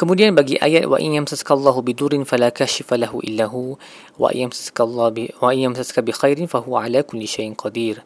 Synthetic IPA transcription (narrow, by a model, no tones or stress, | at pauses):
kamudijanbaɡiʔa̰jːawa̰ʔɪ̰njamsaskalˤːɑːhʊbɪd̪uɾɪnfalaːkaːʃɪfalaɦʊʔɪ̰lːaːɦʊ̰ | ʔa̰jamsakawaʔɪnjamsaskabɪxajɾɪnfahʊwaʕalaːkʊlːɪʃajʔqʰɑd̪iːɾ